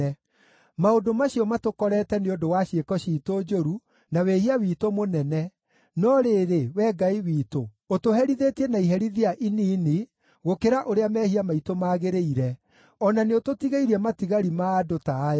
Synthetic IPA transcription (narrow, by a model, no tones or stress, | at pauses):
ɛ | maodomaɕiɔmatokɔɾɛːtɛneondowaɕekɔɕiːtod͡ʒoɾu | nawehiawiːtomonɛnɛ | nɔɾeːɾewɛːɡaiwiːto | otoɦɛɾiðetiɛnaiɦɛɾiðiaʔiniːni | ɣokeɾaʔoɾeamɛːhiamaitomaːɣeɾeiɾɛ | ɔnaneototiɣeiɾiɛmatiɣaɾimaːdota